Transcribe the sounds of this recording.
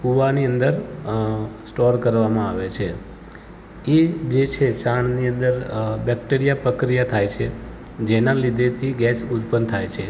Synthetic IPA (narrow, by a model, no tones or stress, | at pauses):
kuʋaniənd̪əɾ | sʈɔɾkəɾʋamãaʋet͡ʃʰe | ed͡ʒet͡ʃʰeʃaɳniənd̪əɾbɛk̚ʈeɾijapɾəkɾijat̪ʰajt͡ʃʰe | d͡ʒenãlid̪ʱet̪ʰiɡɛsud̪pənt̪ʰajt͡ʃʰe